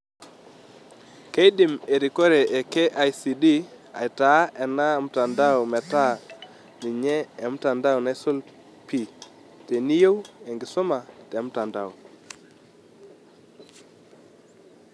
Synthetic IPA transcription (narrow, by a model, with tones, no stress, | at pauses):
ke˦i˦dɪ˨me˨ɾi˨ko˦ɾe˨ʔe˨ke˦ʔa˨jsi˨di˦ | a̰˨jta˨˦ɛ˨na˦m̩˦ta˨nda˦ɔ˨mɛ˨ta˦˨ | nɪ˨ɲɛː˦˨m˦ta˨nda˦wna˦so˦l | pi˦˨ | te˨ni˦jo˦we˨ŋɡɪ˨sʊ˦ma˨tɛ˨˦m˦ta˨nda˨o˨